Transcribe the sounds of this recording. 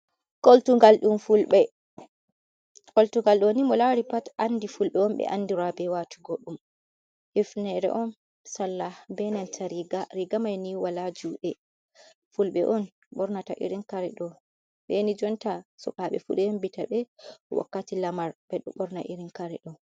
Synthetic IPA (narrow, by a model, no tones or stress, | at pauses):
koltuŋɡalɗumfulɓɛ | koltuŋɡalɗuwonimɔlaɾipatʔanːdifulɓɛɔmɓɛ̰ʔandiɾabɛwatʰuɡoɗum | hifnɛɾɛ̰ʔɔn | salːabɛnantʰaɾiɡaɾiɡamajniwalad͡ʒuɗɛ | fulɓɛ̰ʔɔn | ɓɔɾnataʔḭɾinkaɾɛɗɔ | bɛnid͡ʒɔntasɔ̰kaɓɛ̰fuɗɛhembitaɓɛɔwa̰kːatilamaɾbɛɗɔɓɔɾnaʔiɾinkaɾɛɗɔ